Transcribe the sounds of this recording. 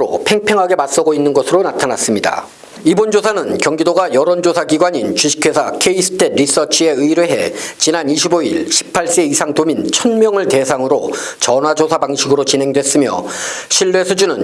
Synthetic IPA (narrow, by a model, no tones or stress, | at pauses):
ɾo̰pʰe̞ŋpʰe̞ŋɦaɡe̞mas͈ʌɡoinːɯnɡʌsʰɯɾonatʰanas͈ɯmɲida̰ | ibond͡ʑosʰanɯnkjʌŋɡidoɡajʌɾʌnd͡ʑosʰaɡiɡwaɲint͡ɕuɕʰi̥kʰwe̞sʰakʰeisʰɯ̥tʰe̞d̚ɾis͈ʌt͡ɕʰie̞ɯiɾɯɭɦe̞̰t͡ɕinaniɕʰiboḭɭɕʰi̥pʰːaɭs͈e̞isʰaŋdomint͡ɕʰʌnmjʌŋɯɭte̞sʰaŋɯɾot͡ɕʌnwad͡ʑosʰabaŋɕʰiɡɯɾot͡ɕinɦe̞ŋdwe̞s͈ɯmjʌ̰ɕʰiɭːe̞sʰud͡ʑunɯn